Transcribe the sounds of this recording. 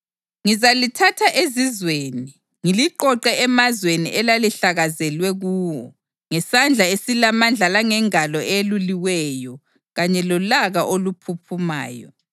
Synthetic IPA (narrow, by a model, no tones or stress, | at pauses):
ŋizalitʰatʰaʔezizweːni | ŋiliǃɔǃɛɛmazwenḭʔɛlaliɬaɣazɛlwɛɣuːwɔ̰ | ŋɛsand͡ɮʱaesilamand͡ɮʱalaŋɛŋalɔʔeluliwɛjɔ | ɣaɲɛlɔlaɣaʔolupʰupʰuma̰ːjɔ̰